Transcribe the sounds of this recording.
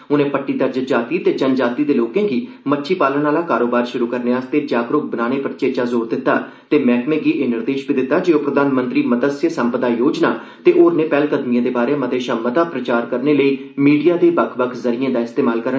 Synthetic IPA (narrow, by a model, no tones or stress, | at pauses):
ʊnẽːpəʈːiːd̪əɾd͡ʒəd͡ʒaːt̪iːt̪eːd͡ʒənd͡ʒaːt̪iːd̪eːloːkẽːɡiː | mətːʃʰiːpaːlənaːlaːkaːɾoːbaːɾʃʊɾuːkəɾneːaːst̪eːd͡ʒaːɡɾʊk̚bənaːɽ̃eːpəɾt͡ʃeːt͡ʃaːzoːɾd̪ɪt̪ːaː | t̪eːmɛːkmẽːɡiːʔeːnɪɾd̪eːʃbiːd̪ɪt̪ːaːd͡ʒeːoːpɾəd̪aːnmə̃nt̪ɾiːməd̪əsjəsəmpəd̪aːjoːd͡ʒnaː | t̪eːʔoːɾnẽːpɛːlkəd̪mijãːd̪eːbaːɾẽːməd̪eːʃaːmət̪aːpɾət͡ʃaːɾkəɾneːləiː | miːɖijaːd̪eːbəkʰbəkʰzəɾijãːd̪aːɪst̪eːmaːlkəɾə